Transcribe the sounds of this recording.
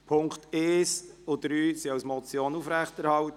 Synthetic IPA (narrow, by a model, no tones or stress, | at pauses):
pʰʊŋkteːsʊd̪̥ɾyːsiɑwsmɔt͡sjoːnufɾæχtɛɾhɑlt